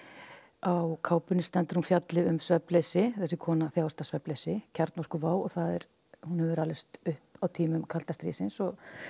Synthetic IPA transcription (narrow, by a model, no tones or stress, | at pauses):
awkʰaːwpʏnːɪst̪ɛnt̪ɪɾ̥hunfjat̪lɪʏmsvɛpleːjsɪθɛsːɪkʰɔːnaθjaːwst̪asvɛplejsɪcʰaɾt̪nɔr̥kʏvaːwɔ̰θaðɛɾ | hunhɛvɾalɛst̪ʏhpawt̪ʰiːmʏmkʰal̥t̪ast̪ɾiːsɪnsɔɣ